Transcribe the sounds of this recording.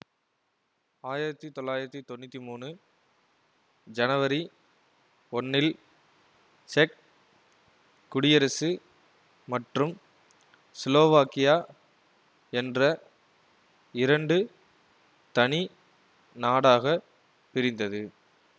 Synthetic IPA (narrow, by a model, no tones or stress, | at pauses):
aːjɪɾɐt̪ːit̪ɔlːaːjɪɾɐt̪ːit̪ɔnːɪt̪ːimuːnɯ | d͡ʒɐnɐʋɐɾi | ɔnːɪl | t͡ʃɛk̚ | ʊɽɪjɐɾɐsɯ | mɐʈrɯm | sɪloːʋaːkɪjaː | ɛndrɐ | ɪɾɐɳɖɯ | t̪ɐɳi | naːɽaːɣɐ | pɪɾɪnd̪ɐðɯ